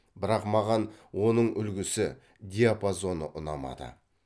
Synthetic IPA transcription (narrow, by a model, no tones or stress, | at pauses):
bɪɾɑqmɑʁɑnwo̞nəɴʏlɡʲɪsɪ | d̪ʲijapazo̞nəʔʊnɑ̰mɑ̰d̪ə̰